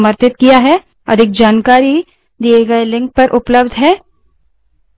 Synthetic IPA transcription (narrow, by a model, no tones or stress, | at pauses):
məɾt̪ɪt̪kijaɦɛ | ɐ̰d̪ʱɪk̚d͡ʒaːnkaːɾi | d̪ieɡɐelɪ̃ŋk̚pɐɾʔʊpləbd̪ʱɦɛː